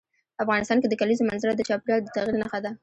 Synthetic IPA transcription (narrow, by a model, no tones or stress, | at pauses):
pəafɣɑnɪst̪ɑnked̪əkalizomanzaɾad̪ət͡ʃɑpɾjɑd̪ət̪aɣilnaxad̪a